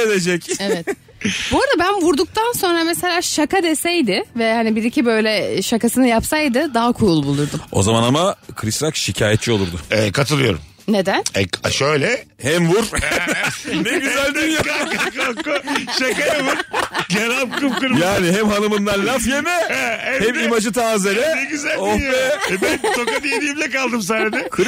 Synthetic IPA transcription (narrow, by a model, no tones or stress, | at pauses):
ed̪ed͡ʒɛcevɛt̪ | boɾad̪abænvuɾd̪uk̚t̪ʰanso̞nɾameselʲaːʃakad̪e̞sɛjd̪ɪvɛhanibiɾicʰibø̞jlʲɛʃakasɯnɯjapsajd̪ɯd̪aɦakʰujulˠbulˠuɾd̪umo̞̰zamanamakʰɯɾisɾakʃicʰaːjɛt̪̚t͡ʃʰio̞lˠuɾd̪ʊɛkʰat̪ʰɯlˠɯjo̞̰ɾumːed̪ænɛaʃøjlʲɛhɛmvuɾ̥ | nɛɟyzælʲd̪ijakkakaʃakajɛvuɾɟeɾap̚kɯlkɯɾjaːniɦɛmhanɯmɯnd̪anlʲafjemɛɛhɛmimad͡ʒɯt̪ʰaːzenɛnɛɡyzælomɛbɛnʰokad̪ijd̪ijimlʲɛkalˠd̪ɯms̬aɾad̪ɛkʰɯɾ